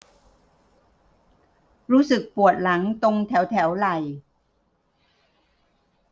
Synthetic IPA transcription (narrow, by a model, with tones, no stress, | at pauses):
ɾuː˦˥sɯ˨˩k̚pu˨˩ət̪̚la˩˦ŋt̪o˧ŋt̪ʰɛː˩˦wt̪ʰɛː˩˦wla˨˩j